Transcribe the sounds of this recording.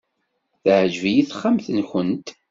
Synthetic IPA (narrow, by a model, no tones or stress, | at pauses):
θʕʒvijiθχːamθənçənt̪